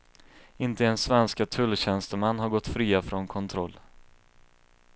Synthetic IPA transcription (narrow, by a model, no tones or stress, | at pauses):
ɪnt̪əɛnsvɛnskat̪ʰɵlːɕɛnst̪əmanːɦaɾɡɔt̪ːfɾiːafɾɔnkʰɔnt̪ʰɾɔlː